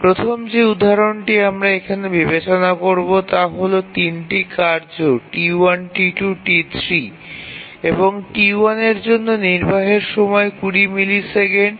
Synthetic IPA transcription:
pɾot̪ʰomd͡ʑeud̪ʱːaɾonʈiamɾaekʰanebibet͡ɕonakoɾbot̪aɦolot̪inʈikaɾd͡ʑoʈiwanʈiʈuʈit̪ʰɾi | eboŋʈiwaneɾd͡ʑonːoniɾbʱaɦeɾʃɔmɔekuɽimiliseɡen

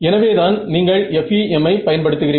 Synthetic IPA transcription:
ɛnɐʋeːðaːnniːŋɡɐɭɛfiɛmːɐɪpɐjɐnpɐɽɯt̪ːɯɣɪriː

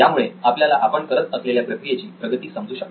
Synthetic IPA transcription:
jamuɭeapljalaʔapəɳkəɾət̪əsleljapɾəkɾijet͡ɕiːpɾəɡət̪iːsəmd͡zuːɕək

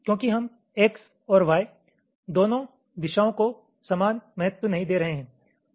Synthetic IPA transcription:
kjõːkiɦɐm | eːks | ɔːɾʋaːe | d̪oːnõ | d̪ɪʃaːõko | sɐmaːnmɐɦət̪wənɐɦĩd̪eːɾɐɦeɦɛ̃ː

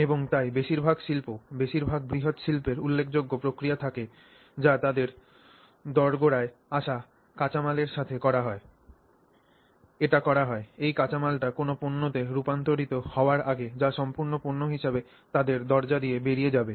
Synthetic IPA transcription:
eboŋt̪ajbeʃiɾbʱaɡʃilpobeʃiɾbʱaɡ̚bɾiɦot̪ʃilpeɾulːekʰd͡ʑoɡːopɾokɾijat̪ʰake | d͡ʑat̪ad̪eɾ | d̪ɔɾɡoɽae | aʃa | kat͡ɕamaleɾʃat̪ʰekɔɾaɦɔe | eʈakɔɾaɦɔeejkat͡ɕamalʈakonoponːot̪eɾupant̪oɾit̪ohɔoaɾaɡed͡ʑaʃɔmpuɾnopuɾnoɦiʃabe | t̪ad̪eɾd̪ɔɾd͡ʑad̪iebeɾijed͡ʑabe

